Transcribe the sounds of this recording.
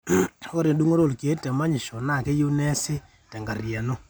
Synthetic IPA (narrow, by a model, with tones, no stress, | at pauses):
o˦ɾe˨du˦ŋo˦ɾo˦˨lke˦tɛ˨ma˦ɲɪ˨ʃo˨na˦˨ke˦ju˦nɛ˦sɪ˦ | tɛ˨ŋɡa˨rja˨no˦